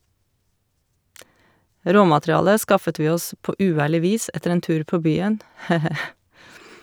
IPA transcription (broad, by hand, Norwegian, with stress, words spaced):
ˈɾoːmɑtɾɪˌɑːlə ˈskɑfət ˈʋiː ˈɔs ˈpoː ʉːˈæːɭɪ ˈʋiːs ˈɛtəɾ ˈeːn ˈtʉːɾ ˈpoː ˈbyːən ˈheː ˈheː